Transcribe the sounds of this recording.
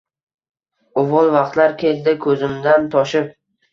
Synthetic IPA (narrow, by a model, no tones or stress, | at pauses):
ʊvɒlˠvɑqt̪laɾkʲʰe̞ld̪ɪkʰɵzɪmd̪ant̪ʰɒʃɪp̚